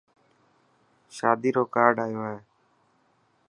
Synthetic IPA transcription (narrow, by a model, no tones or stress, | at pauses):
ʃaːd̪iːɾoːkaːɾɖaːjoːaːɦeː